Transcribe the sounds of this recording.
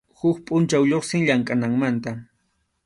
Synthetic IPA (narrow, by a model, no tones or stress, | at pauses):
hʊkpʼʊnt͡ʃawʎoχsɪŋʎaŋkʼanaŋmant̪a